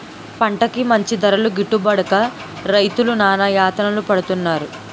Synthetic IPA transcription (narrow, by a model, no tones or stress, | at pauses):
pɐɳʈɐkimɐɲt͡ʃid̪ɐɾɐluɡiʈːubɐɽɐkɐ | ɾɐjt̪ulunaːnɐjaːt̪ɐnɐlupɐɽut̪unːaːɾu